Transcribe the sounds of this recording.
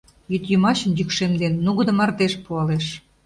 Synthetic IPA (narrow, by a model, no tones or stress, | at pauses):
jyt̪jymɑɕə̆njykʃemd̪enːuɣə̆d̪ə̆mɑrd̪eʃpuɑleʃ